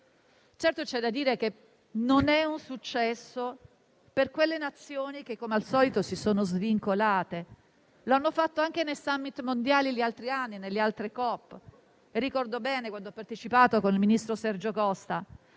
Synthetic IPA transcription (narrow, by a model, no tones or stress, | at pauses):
t͡ʃɛrt̪ot͡ʃɛd̪ːad̪ːiːɾek̟e | nonɛunsut͡ʃːɛsːo | perkwelːenat̪sːjoːnik̟ekːomealsɔːlit̪osisoːnozviŋkolaːt̪e | loanːofat̪ːoaŋk̟enejsamːit̪mond̪jaːliʎialt̪ɾianːinelːealt̪ɾikɔpː | erːikɔrd̪obɛːnekwand̪oɔpːart̪et͡ʃipaːt̪okonilminist̪ɾosɛrd͡ʒokɔst̪a